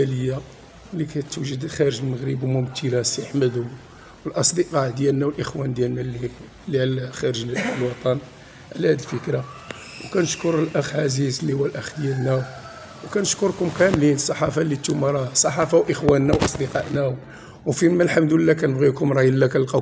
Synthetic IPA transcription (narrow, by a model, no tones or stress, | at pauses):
æləjːa | likæt̪uʒəd̪xæɾəʒəlməɣɾəbmʊmt̪ʰəlæsəħməd̪ʊ | wəlʔɑsˤd̪əqɑʕd̪jælnæwəlʔəxwænd̪jælnæli | lːilxæɾəʒləlwɑt̪ˤɑn | ʕlæhæd̪əlfəkɾa | wkænəʃkʊɾəlʔæxʕazizlihʊwælʔæxd̪jælnæw | wkænəʃkʊɾkʊmkæmlinəsˤːɑħɑfɑlːit̪ːumɑɾˤɑsˤɑħɑfawʔəxwænːæwʔɑsˤd̪əqɑ̰ʔnæw | wfimælħamd̪uəlːækænəbɣikʊmɾˤɑjəlːækænlqɑ